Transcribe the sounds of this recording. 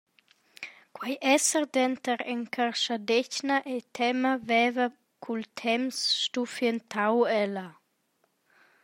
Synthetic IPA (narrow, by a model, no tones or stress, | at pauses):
kwajʔɛsəɾd̪ɛnt̪əɾɛŋkʰarʃad̪ɛcnaʔɛt̪ʰɛmavɛvə | kʰult̪ʰɛmsːt̪ufjənt̪ʰawɛla